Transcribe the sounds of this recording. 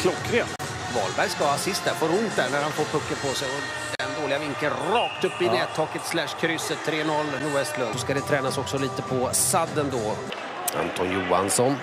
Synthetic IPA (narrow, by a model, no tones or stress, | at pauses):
kʰlɔkːɾe | vɑ̰ːlbæɾjskavɑasɪst̪̚d̪æɾfoːɾʊnt̪̚d̪æɾɳæɾhanfoːɾpʰɵkːəpʰɔsɛjɔ | d̪ɛnd̪oːlɪɡavɪŋkənɾɑːk̚t̪ɵpːəɪnɛːt̪ʰːoːkət̪slæʂkʰɾʏsːət̪ʰːɾeːnɔlːnuɛst̪lɵnsɔskad̪ɛt̪ʰɾɛːnasɔksɔliːt̪əpʰɔsad̪ːənd̪ɔː | a̰nt̪ʰɔnjuːa̰nsɔn